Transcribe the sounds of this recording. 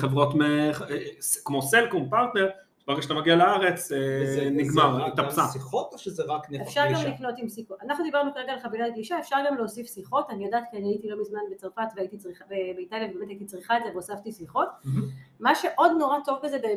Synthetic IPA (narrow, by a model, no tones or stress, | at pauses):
χevʁo̞tmeχskmo̞selkumpaʁt̪neʁ | ʃbaʁeɡaʃat̪amaɡialaaʁe̞t͡seniɡmaʁt̪apsasiχot̪oʃezeʁakneefʃaʁɡamlikno̞timsikuanaχnud̪ibaʁnukaʁeɡalχavilat̚ɡliʃaefʃaʁɡamleosifsiχo̞tanijodaːtkianiaitilo̞mizmanbet͡saʁfatveait̪it͡sʁiχabebeitaljavebeme̞t̪ait̪it͡sʁiχaedzeveasaftisiχo̞tmaʃe̞ʔo̞d̪noʁato̞vkazebe